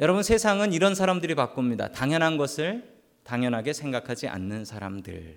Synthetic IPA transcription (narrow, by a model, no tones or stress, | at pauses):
jʌɾʌbunsʰe̞sʰaŋɯniɾʌnsʰaɾamdɯɾipak͈omɲida̰taŋjʌnɦanɡʌsʰɯɭ | taŋjʌnɦaɡe̞sʰe̞ŋɡakʰad͡ʑiʔa̰nːɯnsʰaɾa̰mdɯ̰ɭ